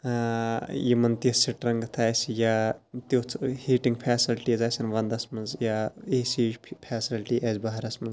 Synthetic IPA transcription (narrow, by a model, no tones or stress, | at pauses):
jimɐnt̪isiʈɾɐŋɡt̪ʰaːjsjat̪joːt͡sʰhiːʈiŋɡpʰɛːsilʈiɐzaːsʲɐnʋɐnd̪ɐsmɐnzjaːeːsiːʒpʰɛːsilʈiʔɛːzbɐɦɐɾɐsmɐnz